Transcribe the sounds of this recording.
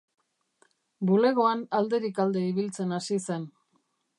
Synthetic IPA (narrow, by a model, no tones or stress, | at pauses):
bule̞ɣ̞o̞anald̪e̞ɾikald̪e̞iβ̞ilt͡se̞nasise̞n